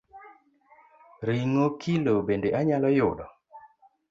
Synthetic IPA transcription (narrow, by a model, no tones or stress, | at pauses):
ɾiŋokʰilobendeʔaɲalɔjʊɗɔ